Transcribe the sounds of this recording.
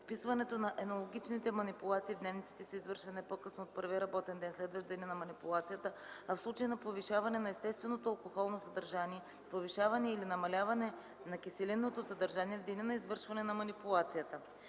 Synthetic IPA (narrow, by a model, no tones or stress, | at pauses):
fpisvɐnɛt̪onɐʔɛnolˠoɡ̟ʲit͡ʃnit̪ɛmɐnipulˠat̪siːvd̪nɛvnit̪si̥t̪ɛsɛizvɤɾʃvɐnɛpokɤsnoːt̪̚pɤɾviɾɐbɔt̪ɛnd̪ɛnslɛd̪vəʒd̪ɛnʲinɐmɐnipulˠat̪sijət̪əafslˠut͡ʃəinɐpoviʃavɐnɛnɐɛst̪ɛst̪vɛnot̪oɐlˠkoxɔlˠnosɐd̪ɐɾʒaniɛ | poviʃavɐnɛɛilinɐmɐlʲavɐnɛ | nɐkisɛlinːot̪osəd̪ɐɾʒaniɛvd̪inɛnɐizvɤɾʃvɐnɛnɐmɐnipulˠat̪sijət̪ə